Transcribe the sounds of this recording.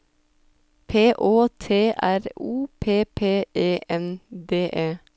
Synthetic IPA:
pʰeːʔoːt̪ʰeːʔæɾuːpʰeːpʰeːʔeːʔɛnd̪eːʔeː

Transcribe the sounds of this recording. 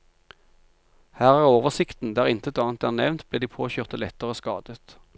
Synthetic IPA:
hæːʁæːʁoːʋəʁsɪkt̪n̩d̪æːʁɪnt̪əɛt̪ɑːnt̪æːʁnɛ̰ʋnt̪bleːd̪iːpʰoːçøːʁt̪əlɛt̪əʁəəːskɑ̰ːd̪̥ət̪

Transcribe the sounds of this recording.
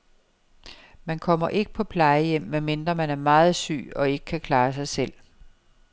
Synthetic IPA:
mænkʰɒ̽m̰ɐʔe̝ɡ̥ə̥pʰɒ̽pʰlɑ̈ɪəjem̰meme̝nd̥ʁɐmænæɐmɑ̈ːð̞̩ˠsy̰ːɒ̽e̝ɡ̥ə̥kʰækʰlɑ̈ːsɑ̈ɪsel̰

